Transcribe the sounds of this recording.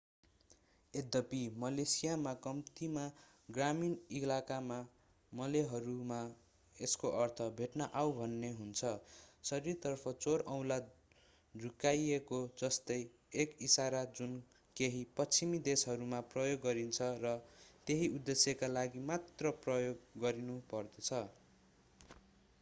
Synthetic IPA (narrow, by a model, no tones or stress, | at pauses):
ed̪ʌpimʌlesijamakʌmt̪ima | ɡraminilakama | mʌleɦʌɾuma | eskoʔʌrt̪ʰʌbʱeʈnaʔawbʱʌnːeɦunt͡sʰʌsʌɾirt̪ʌrpʰʌt͡soɾʌw̃la | d͡zʱukajekod͡zʌst̪ʌj | ekisaɾad͡zun | keɦipʌt͡sʰimid̪esɦʌɾumaprʌjoɡːʌɾint͡sʰʌrʌt̪eɦiʔud̪ːesjʌkalaɡimat̪rʌprʌjoɡːʌɾinupʌrd̪ʌt͡sʰʌ